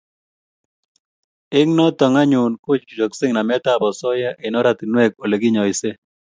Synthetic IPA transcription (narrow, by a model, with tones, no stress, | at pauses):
ɪ˦ŋnɔ˦t̪ɔ˨ŋa˦ɲu˨nkʊ˦t͡ʃt͡ʃu˨d͡ʒo˨ksɪ˦ŋna˨mɛ˦t̪a˦˨bɔ˨sɔ˦ja˦ʔe˨nɔ˦ɾa˨t̪i˨nwɛ˦ko˨le˨ɡi˦ɲɔ˨ɪ˨se˦